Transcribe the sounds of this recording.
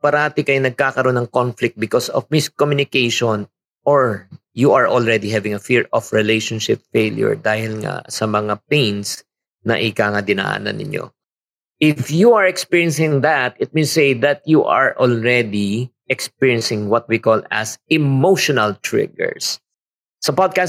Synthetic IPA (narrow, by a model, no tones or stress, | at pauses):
pɐɾaːt̪ɪkɐjonɐɡ̚kaːkɐɾonːɐŋkonflɪk̚t̪̚bɪkosɔ̰fmɪskɔmjʊnɪkejʃɔn | ʔoɹjuʔɐɹʔolɹɛd̪iɦɛvɪ̃ŋɐfiɹɔfɹɪlejʃɔnʃɪpfeljʊ̰ɹd̪aːhɪlŋa̰sɐmɐŋapejns | nɐ̰ʔɪkaŋad̪ɪna̰ːʔa̰nɐ̰nɪ̰ɲʔo̰ | ʔɪfjuɐɹɛkspiɹiɛnsɪ̃ŋðɐt̪̚ɪt̪̚mesejðɐt̪̚juʔɐɹʔɔlɹɛd̪iʔɛksp̚iɹjɛnsɪ̃ŋwɐt̪̚wikolɐ̰sɛmoʃɔnɐlt̪ɹɪ̰ɡɛ̰ɹs | sɐpɔd̪̚kas